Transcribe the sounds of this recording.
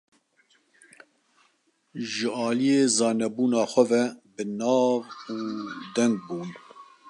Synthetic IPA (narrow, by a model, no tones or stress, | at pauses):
ʒɨɑːlijeːzɑːnɛbuːnɑːxʷɛvɛbɨnɑːvuːd̪ɛŋɡ̚buːn